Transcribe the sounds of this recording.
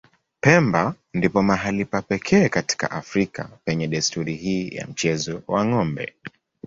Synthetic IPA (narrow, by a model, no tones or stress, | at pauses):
pɛmba | ndipɔmaɦalipapɛkʰɛːkati̥ka̰ʔafɾikapɛɲɛɗɛstuɾihiːja̰m̩t͡ʃɛzɔwaŋɔmbɛ̰